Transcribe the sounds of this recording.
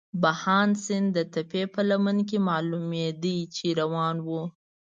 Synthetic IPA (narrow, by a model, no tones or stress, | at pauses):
bahɑnsɪnd̪ət̪apepəlamənk̬emɑlumjed̪it͡ʃeɾawɑnwu